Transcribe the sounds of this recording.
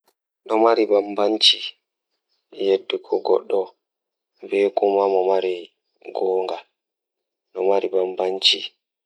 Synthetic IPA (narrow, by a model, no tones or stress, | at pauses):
ɗɔmaɾibambaɲt͡ʃi | jedːikʰɔɡɔ̰ɗːɔ | bɛkumamɔmaɾi | ɡɔːŋɡal | ɗɔmaɾibambaɲt͡ʃi